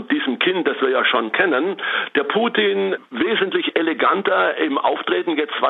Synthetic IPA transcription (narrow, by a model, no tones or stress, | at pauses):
d̥iːzəm̩kʰɪntd̥asv̥iːɐjaːʃoːnkʰɛnənd̥eːɐpʰuːtʰiːnveːzəntlɪçeleɡantɐʔɪmʔa̰ʊftʁ̥eːtn̩jɛt͡stv̥a